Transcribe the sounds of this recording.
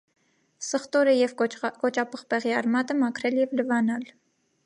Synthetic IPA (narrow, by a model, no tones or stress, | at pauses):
səχt̪ɔɾəjɛvkɔt͡ʃɑpʰəχpɛʁiɑɾmɑt̪əmɑkʰɾɛljɛvləvɑnɑl